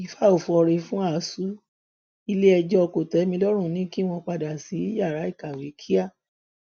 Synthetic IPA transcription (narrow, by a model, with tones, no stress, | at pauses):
i˨˦fa˦o˨fɔ˧ɾe˧fũ˦a˦˨˦su˦ | i˧le˦ɛ˧d͡ʒɔ˦ɔ˧ko˨tɛ˨˦mĩ˧lɔ˦ɾ̃ũ˦˨nĩ˦ki˦w̃ɔ̃˧k͡pa˧da˨si˨˦i˦ja˦˨ɾa˨˦i˦˨ka˨we˨˦kʰi˦a˦˨